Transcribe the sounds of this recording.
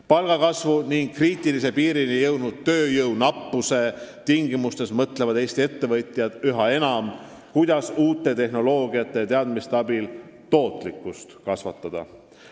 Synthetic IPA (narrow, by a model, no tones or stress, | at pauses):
pɑlɡ̥ɑkɑsvuniŋɡ̥kriːt̪ːˑilis̬e̞piːɾinijɤwd̪nud̪̥̚t̪ːøːjɤwnɑpːuse̞t̪iŋɡimust̪e̞smɤt̪levɑd̪e̞ːst̪ie̞t̪ːe̞vɤjt̪ˑjɑd̪̥yɦɑe̞nɑm | kujd̪̥ɑsuːt̪ːˑe̞t̪e̞hno̞lo̞ːɡiɑt̪ːˑe̞t̪e̞ɑd̪mist̪eɑbil | t̪o̞ːt̪ˑlikˑːust̪kɑsvɑt̪ːˑɑd̪̥ɑ̰